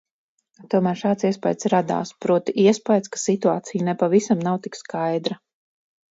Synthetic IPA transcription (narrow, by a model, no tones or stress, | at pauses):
t̪uɔmæːɾʃaːt̪siɛspajd̪sɾad̪a̰ːspɾuɔt̪iʔiɛspajd̪skḁsit̪uaːt̪sijunɛpavisamnawt̪ikskajd̪ɾa